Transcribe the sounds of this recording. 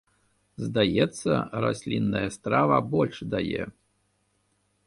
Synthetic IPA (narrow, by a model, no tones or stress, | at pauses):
zd̪ajɛt̪sːɐ̰ɾa̰sʲlʲinːɐjɐst̪ɾavɐbɔlʲʂd̪ajɛ̰